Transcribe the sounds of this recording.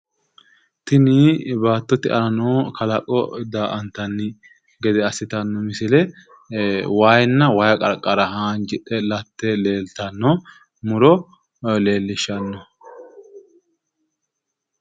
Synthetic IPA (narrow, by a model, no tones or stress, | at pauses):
t̪ɪnibaːt̪ːɔt̪ɪʔɐ̰nɐnoːkʰɐlɐkʼːɔd̪aːʔɐnt̪ːɐnːɪ | ɡɛd̪ɛɐsːɪt̪ɐnːɔmɪsɪlɛ | waːjnːɐwɐjɐkʼɐɾkʼːɐɾɐhaːnd͡ʒɪᶑ̪ʼɛlɐt̪ːɛle̞ːlt̪ɐnːɔ | mʊɾɔ | le̞ːlːɪʃɐnːɔ